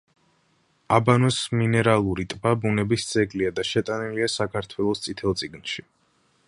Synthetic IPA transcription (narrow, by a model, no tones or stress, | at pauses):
abanɔsminɛɾalˠuɾit̪ʼbabunɛbisd̪z̥ʼɛɡliad̪aʃɛt̪ʼaniliasakʰaɾt̪ʰwɛlˠɔst̪sʼit̪ʰɛlˠt̪sʼiɡnʃi